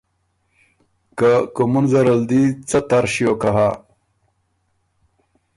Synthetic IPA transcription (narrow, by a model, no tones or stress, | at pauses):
kakumunzɐɾəld̪it͡sat̪aɾɕjokaɦa